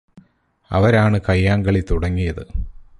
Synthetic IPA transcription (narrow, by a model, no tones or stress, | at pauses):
ɐ̰ʋɐɾaːɳɨkɐjːaːŋɡɐɭit̪uɽɐŋːijɐðɨ